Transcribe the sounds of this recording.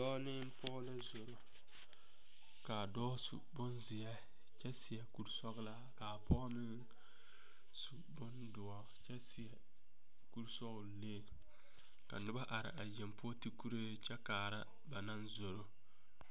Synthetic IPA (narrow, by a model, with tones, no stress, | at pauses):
dɔː˦nɪ˦m˦pɔː˦la˦zo˨ɾo˦ | ka˨dɔː˦sṵ˨bʊ˦nzɪ˨ɛ˦ | t͡ʃɛ˦sɪ˨jɛ˨ku˨ɾsɔ˦ɣla˦ka˨pɔ˦mɪ˦ŋ | su˨bʊ˦ndʊ˨a˨t͡ʃɛ˦sɪ˨ɛ˨ | ku˦ɾsɔ˦ɣʊ˨leː˦˨ | ka̰˨nʊ˦ba˦ʔa˨ɾɪ̰˨ʔa˨jɛ˨mpʊ˦ti˦ku˦ɾe˦t͡ʃɛ˦kaː˨ɾa˦ | ba˨na˦nzo˨ɾo˦